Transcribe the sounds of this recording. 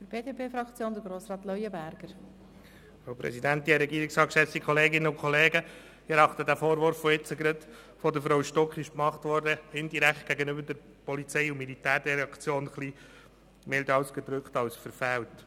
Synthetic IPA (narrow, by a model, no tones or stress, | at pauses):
fəɾbeːdepʰeːfɾɑkt͡sjoːnd̪əɾɡɾoːsɾɑːt̪lɔjəbæɾɡ̥əɾ | ɑwpɾɛ̰sidænt̪iɛɾɛɡiːɾɪksɑːkʃɛstikχɔleːɡɪnːəʊkχɔleːɡə | ɛɾɑχt̪ədæfoːɾʋʊɾfːɔɪt͡səɡɾət̪ | fɔdəfɾawʃtɔkχɪʃkmɑχt̪ʋɔɾdəɪnd̪iɾækχt̚ɡ̥æɡənʏbəɾdɛɾ | pɔlit͡sɛɪumilit̪æːɾd̥ɛɾɑkt͡sjoːnχli | mɛld̪ɑwsɡ̥əd̪ɾʏkχt̪ɑwsfəɾfælt